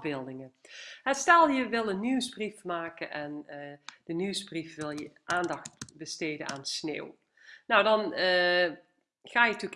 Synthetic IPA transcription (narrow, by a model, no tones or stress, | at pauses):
bɪːlˠdɪŋəɦətstɛlˠjəʋɪlˠənːywzbrifmaːkənʔɛnd̥ənywzbrifʋɪlˠjəʔaːndɑxtbəstejdə̰na̰ːnsnḛːw | nowdɑn | ɣaːjətyk